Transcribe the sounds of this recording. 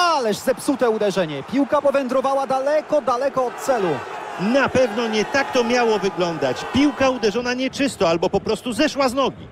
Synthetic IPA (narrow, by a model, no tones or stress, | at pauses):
alɛʐzɛpsut̪ɛud̪ɛʐɛɲɛpʲiwkapɔvɛnd̪ɾɔvawad̪alɛkɔd̪alɛkɔːt̪̚t̪sɛlunapɛvnɔɲɛt̪akt̪ɔmʲjawɔvɘɡlɔnd̪at͡ɕpʲiwkaud̪ɛʐɔnaɲɛt͡ʂɘst̪ɔalbɔpɔpɾɔst̪uzɛʂwaznɔɡʲi